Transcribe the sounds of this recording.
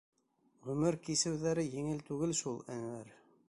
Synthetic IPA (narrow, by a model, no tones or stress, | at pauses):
ʁɵ̆mɘɾkisɘ̆wðæɾɘjɘ̆ŋɘlt̪ʉɡɘlʃulˠæ̰ŋwæɾ